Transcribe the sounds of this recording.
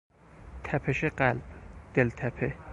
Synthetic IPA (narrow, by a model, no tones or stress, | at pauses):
t̪ʰæpʰeʃeqælb̥d̪̥elt̪ʰæpʰe